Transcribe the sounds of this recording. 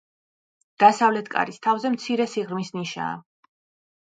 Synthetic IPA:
d̪̥asavlɛt̪ʰkʼa̰ɾist̪ʰavzɛmt̪sʰiɾɛsiʁɾmisniʃa̰ː

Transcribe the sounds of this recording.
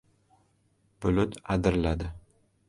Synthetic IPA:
bʊlʊt̪ad̪ɪɾlad̪ɪ

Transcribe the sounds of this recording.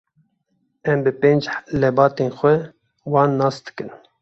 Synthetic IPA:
ɛmbɨpeːnd͡ʒlɛbɑːt̪eːnxʷɛ | wɑːnːɑːsd̪̥ɨ̥kɨn

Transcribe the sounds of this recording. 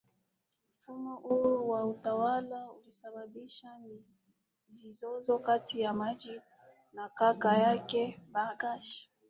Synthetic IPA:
m̩fumɔʔuɔwautawalaulisaɓaɓiʃan | zizɔzɔkatʰijamad͡ʒi | nakakajakɛbaɡaʃi̥

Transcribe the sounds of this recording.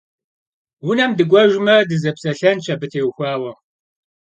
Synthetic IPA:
wʊnɐmdɨɡʷɔʒʷmɐdɨzɐpsɐɬɐnt͡ʃʰʼɐbɨtʰeːwxʷɑːwɐ

